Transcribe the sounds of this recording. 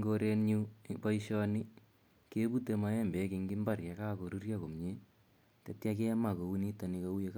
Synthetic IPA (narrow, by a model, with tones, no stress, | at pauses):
ŋɡo˦ɾe˦nɲu˦pa˦iʃɔ˦ni˦ | ke˦bu˦te˨ma˦jɛ˦mbɛ˨˦kɪ˧ŋɡɪ˦mba˦rkɛ˨kaː˦ko˨ɾu˦rja˦ko˨mɲe˦ | tetjake˦ma˨ko˨u˦ni˦ta˨ni˦kau˦je˦k